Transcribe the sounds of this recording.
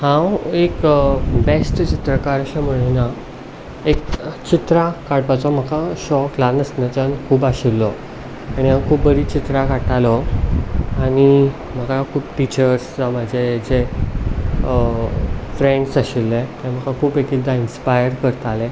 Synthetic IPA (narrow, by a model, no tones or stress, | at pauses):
hãwekbesʈt͡ɕit̪ɾəkaɾaɕam̤uɭina | ek̚t͡ɕit̪ɾakaɽpat͡sɔm̤əkaɕɔklanəsnãt͡ɕankʰuːbaɕilːɔ | aɽ̃iɦãkʰuːpbəɾiːt͡ɕit̪ɾakaʈalɔ | aɽ̃i | m̤əkakʰuːpʈit͡ɕəɾst͡samad͡ʑʱed͡ʑe | fɾeɳɖsaɕilːɛt̪ãm̤əkakʰuːpekid̪ainspajəɾkəɾt̪alɛ